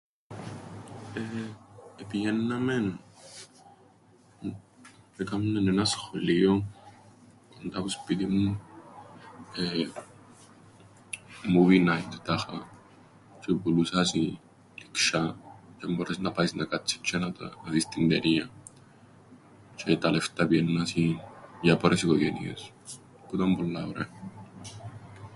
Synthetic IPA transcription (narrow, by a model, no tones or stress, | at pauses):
e | epijenːamen | ekamnenenasxolio | kont̪aβuspid̪imun | e | muβinajt̪t̪axa | t͡ʃepulusasi | likʃat͡ʃamboɾesnapaisnakat͡ʃːi̥t͡ʃːanat̪aðist̪ind̪eɾia | t͡ʃet̪aleft̪abjenːasijapoɾʔesikojenḭḛs | put̪ambolːaβɾe